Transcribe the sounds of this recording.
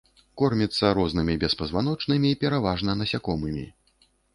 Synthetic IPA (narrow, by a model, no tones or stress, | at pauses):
kɔrmʲit̪sːɐɾɔznɨmʲibʲɛspɐzvan̪ɔt͡ʂnɨmʲipʲɛɾavaʐnɐnɐsʲakɔmɨmʲḭ